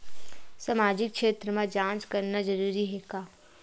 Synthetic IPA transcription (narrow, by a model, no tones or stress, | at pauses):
samaːd͡ʒɪkːʃeːt̪ɾəmãd͡ʒãːt͡ʃkɐɾnad͡ʒɐɾuːɾiɦɛːɡaː